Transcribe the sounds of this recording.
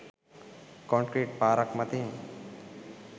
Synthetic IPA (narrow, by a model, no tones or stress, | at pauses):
kɔɳkɾiʈ̚paːɾɐkmɐt̪iːm